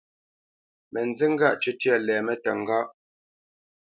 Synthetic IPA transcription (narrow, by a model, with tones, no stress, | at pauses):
mɛ˨nd͡zə˦ŋ̩˦ɡa˦˨ʔt͡ʃʉ˦tjɛ˦˨lɛː˨mɛ˦tə˨ŋ˨ɡa˦ʔ